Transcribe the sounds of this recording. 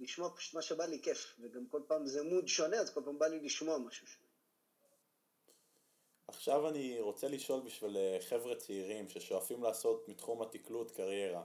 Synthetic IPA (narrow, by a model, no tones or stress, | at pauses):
liʃmoapḁʃu̥t̪maʃebalikefveɡamko̞lpaːmzemud̪ʃo̞neazko̞lpaːmbaliliʃmoamaʃuʃo̥nee | aχʃavaniʁo̞t͡se̞liʃo̞lbiʃvileχe̞vʁet͡seiʁimʃeʃoafimlaːso̞t̪mit̪χumat̪iklut̪kaʁje̞ʁa